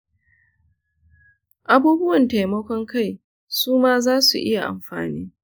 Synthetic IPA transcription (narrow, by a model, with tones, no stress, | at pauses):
ʔa˦buː˦bʊ˦wɐ˨nta˨jmɐ˦kʷɔ˦ŋka˦˨j | suː˦maː˦zaː˦sṵ˨ʔɪ˦ja˨ʔa̰˨mɸa̰ː˨niː˦